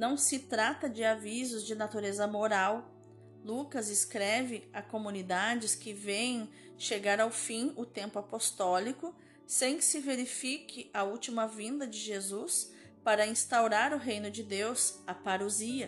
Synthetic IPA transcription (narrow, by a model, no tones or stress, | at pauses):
nɐ̃w̃sɪt̪ɾat̪ɐd͡ʒɪavizʊzd͡ʒɪnat̪uɾezɐmoɾaw | lukɐzɪskɾɛvɪakomunid̪ad͡ʒɪskɪvẽjẽ | ʃeɡaɾawfĩʊt̪ẽmpʊapost̪ɔlikʊ | sẽj̃kɪsɪveɾifikɪʔɐuwt͡ʃimɐvĩnd̪ɐd͡ʒɪʒezus | paɾɐĩst̪awɾaɾʊɦejnʊd͡ʒɪd̪ewsɐpaɾoziɐ